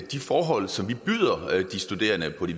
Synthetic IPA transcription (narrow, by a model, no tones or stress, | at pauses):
d̥ifɒːɦɒ̽l̰sɒ̽mʋib̥yð̰ˠɐd̥isd̥ud̥e̝̰ːɐnəpʰɒ̽ɾ̥i